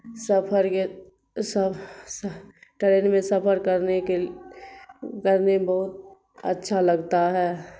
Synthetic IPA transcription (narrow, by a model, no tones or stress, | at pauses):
səpʰəɾke | sə | ʈəɾeːnmẽsəpʰəɾkəɾneke | kəɾnebəɦʊt̪̚ | ə̰tːʃʰaləɡt̪aɦɛː